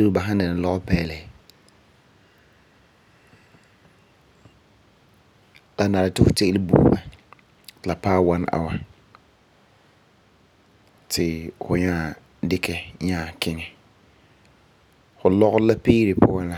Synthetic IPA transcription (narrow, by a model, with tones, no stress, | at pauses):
e˦ba˨ɦã˦n˦dɪ˨na˨lɔ˦ɣɔ˦pɛː˦lɛ˨ | la˨na˨ɾɪ˨tɪ˦fʊ˨te˦lɪ˦bṵː˦˨ba̰˨ | la˨paː˦wa˦nʔa̰˨wa˦ | tʰɪ˨fʊ˨ɲaː˦˨ | dɪ˦kɛ˦ɲaː˦˨kɪ˦ŋɛ˨ | fʊ˨lɔ˦ɣʊ˦la˦piː˦ɾɪ˨pʰʊ˦a˦la˦